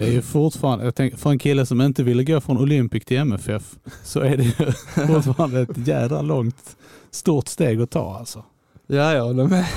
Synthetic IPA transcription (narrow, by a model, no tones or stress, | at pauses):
d̪ɛæɾjɵfʊɾʈfɑːɾand̪əjɑɡt̪ʰɛŋəfœɾɛnkʰɪlːəsɔmɪnt̪əvɪlːəɡoːfɾɔnʊlʏmpɪskt̪ʰɪlɛmɛfɛfsɔæɖɛjɵʊɾt̪fɑːɾand̪əɛt̪jæːd̪ɾa̰lɔŋt̪ | st̪uːɾʈ̪st̪eːɡɔt̪ʰɑ̰ːalsɔ | jaːjɑhɔlːəmɛ